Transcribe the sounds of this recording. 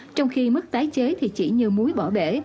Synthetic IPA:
t͡ɕɔ˧wŋ͡mxi˧mɨ˦˥k̚t̪aː˨˦jt͡ɕe˨˦t̪ʰi˨˩t͡ɕi˧˩ɲɨ˧mu˨˦jɓɔ˧˩ɓe˧˩˨

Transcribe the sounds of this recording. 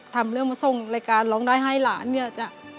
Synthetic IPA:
t̪ʰaː˨˧˩mlɯ˧əŋmaː˧˩so˧˩ŋlaː˧˩jkaː˨nlɔː˨˦ŋdaː˧˩jɦaː˧˥˩jlaː˨˦nːi˧˩a˧˩t͡ɕa˧˩ʔ

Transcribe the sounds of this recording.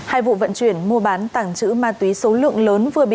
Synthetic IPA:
haː˧jvṵ˧˨və̰˧˨nt͡ɕwi˧˩ənmu˧əɓaː˨˦nt̪aː˧˩ŋt͡ɕɨ̰˧˥maː˨˩t̪wi˨˦so˨˦lɨ̰˧˨əŋləː˨˦nvɨ˨˩əɓḭ˧˨

